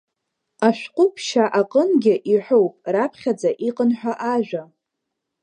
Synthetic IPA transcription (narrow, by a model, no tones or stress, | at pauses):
aʃᶣʷqʷʼʊpʰʃaʔaqʼənɡʲɪʔiħʷowpʼrapʰχʲad͡zaʔiqʼənħʷᶣaʔaʒᶣʷa